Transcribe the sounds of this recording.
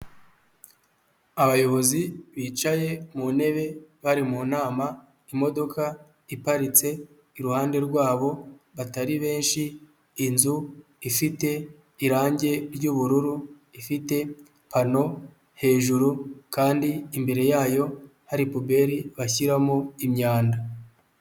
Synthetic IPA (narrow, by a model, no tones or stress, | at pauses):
aβajo̞βo̞ziβiːt͡ʃaje̞mune̞βe̞βaɾimuːnaːma | imo̞do̞ka | ipaɾit͡se̞ | iɾuhaːnde̞ɾɡwaːβo̞βataɾiβe̞ːnʃiː | nzu | ifite̞ | iɾaːɲɟe̞ɾɟuβuɾuɾu | ifite̞ | pano̞ | he̞ːʒuɾukaːndiːmbe̞ɾe̞jaːjo̞haɾipube̞ɾiβaçiɾamoimɲaːnda